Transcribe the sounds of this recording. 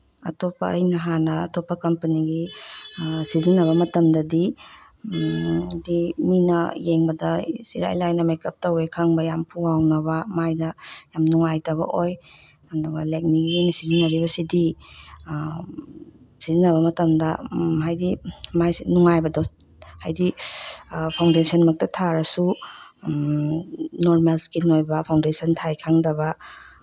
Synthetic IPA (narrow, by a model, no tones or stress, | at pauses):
ɐ̰topːɐ̰ɐ̰jnɐɦanɐ̰ːtopːɐkɐmpɐniɡi | sizinːɐβɐmɐtɐmdɐdi | diminɐ̰jeŋbɐdɐsiɾa̰jlajnɐmekɐp̚tɐwekʰɐŋbɐjampʰuawnɐβɐmajdɐjamnuŋajtɐβɐ̰ʔoj | anduɡɐlek̚niɡinisizinɐɾiβɐsidi | sizinɐβɐmɐtɐmdɐɦajdimajnuŋajbɐdɔ | hajdi | pʰawndesɐnmɐk̚tɐtʰaɾɐsu | noɾmelskinojbɐpʰawndesɐntʰajkʰaŋdɐbɐ